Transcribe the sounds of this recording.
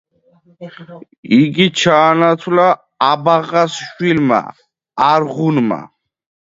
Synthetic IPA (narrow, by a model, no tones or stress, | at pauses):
iɡit͡ʃʰaːnat̪ʰwlaː | baʁasʃwilma̰ː | ɾʁunma̰